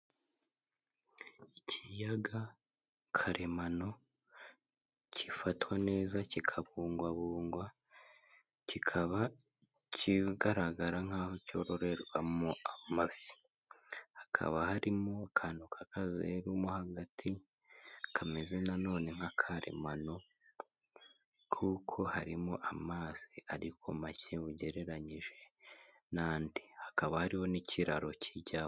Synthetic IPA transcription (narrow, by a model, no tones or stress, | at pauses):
icʰijaɡa | kʰaɾʔe̞mano̞ | cifatwane̞ːzacikʰaβuːŋɡwaβuːŋɡwa | cikʰaβa | ciɡaɾaɡaɾaŋ̥haːhoco̞ɾo̞ɾe̞ɾwamoamafi̥ | hḁkʰa̰βahaɾimo̞kʰanukʰakʰazḛɾumohaɡatʰi | kʰame̞ze̞nano̞ːne̞ŋ̥hakʰaɾḛmano̞ | kʰukʰo̞haɾimoʔamaːz̥iʔaɾikʰo̞maceβuɟe̞ɾe̞ɾaɲiʒe̞ | naːndihakaβahaɾiho̞nicʰiɾaɾo̞cʰiɟa